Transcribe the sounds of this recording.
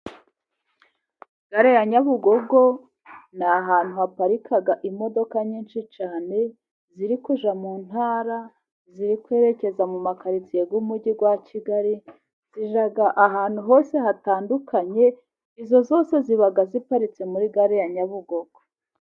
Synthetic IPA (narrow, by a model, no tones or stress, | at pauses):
ɡ̥aɾejaɲaβuɡo̞ɡo̞ | naɦaːn̥huhapaɾikaɡaʔimo̞do̞kaɲiːnʃit͡ʃaːne̞ | ziɾikuʒamuːn̥haːɾa | ziɾikwe̞ːɾe̞ce̞zamumakaɾit͡sijeɡumuɟiɡwaciɡaɾi | z̥iʒaɡaʔaɦaːn̥huɦo̞ːse̞ɦataːndukaɲe̞ | izo̞zo̞ːse̞ziβaɡazipaɾit͡se̞muɾiɡaɾejaɲaβuɡo̞ɡ̥o